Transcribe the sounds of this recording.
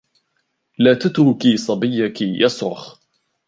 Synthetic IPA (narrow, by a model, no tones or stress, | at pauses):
laːt̪at̪ɾʊkisˤɑbɪjːakijɑsˤɾʊ̰x